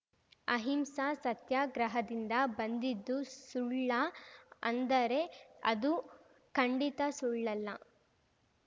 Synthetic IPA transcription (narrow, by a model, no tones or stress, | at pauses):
ɐɦimsasɐt̪jaːɡɾɐɦɐd̪ind̪ɐbɐnd̪id̪ːusuɭːɐɐ̰nd̪ɐɾe̞ɐ̰d̪u | kɐɳɖit̪ɐsuɭːɐlːɐ